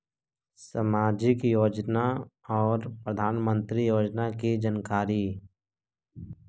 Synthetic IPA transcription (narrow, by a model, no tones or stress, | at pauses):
səmaːd͡ʒikijoːd͡ʒnaɔːɾpɾəd̪ʱaːnmə̃nt̪ɾijoːd͡ʒnakid͡ʒənkaːɾi